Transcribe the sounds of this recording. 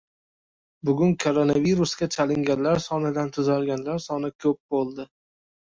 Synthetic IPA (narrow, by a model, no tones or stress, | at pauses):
bʊɡʲʊnkʰoɾonaviɾʊskʲat͡ʃʰalɪŋɡʲanlaɾsɒnɪd̪ant̪ʰʊzalɡʲanlaɾsɒnɪkʲʰɵp̚bolˠd̪ɪ